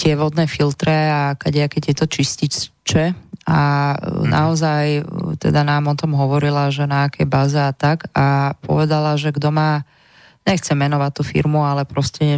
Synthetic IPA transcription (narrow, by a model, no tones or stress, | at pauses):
t̪ɪɛʋɔd̪nɛːfilt̪ɾɛakɛɟjɛakɛt̪jɛt̪ɔt͡ʃiscit͡ʃɛanʔa̰ɔzajt̪ɛ̰d̪anaːmɔt̪ɔmɦɔʋɔɾilaʒɛnaːkɛjbaːzɛat̪akapɔ̰ʋɛd̪alaʒɛɡd̪ɔmaː | ɲɛxt͡sɛmɛnɔʋact̪ːuːfḭɾmualɛpɾɔscɛ